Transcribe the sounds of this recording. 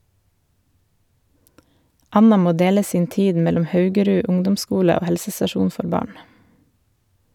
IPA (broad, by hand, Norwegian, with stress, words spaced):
ˈɑnɑ ˈmoː ˈdeːlə ˈsiːn ˈtiːd ˈmɛlɔm ˈhɑʉɡəˌɾʉ ˈʊŋdʊmˌskuːlə ˈoː ˈhɛlsəsɑˌʃuːn ˈfɔɾ ˈbɑːɳ